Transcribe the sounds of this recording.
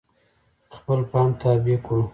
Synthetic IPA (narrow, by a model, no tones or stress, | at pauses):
xpəlpɑmt̪ʰabikɽu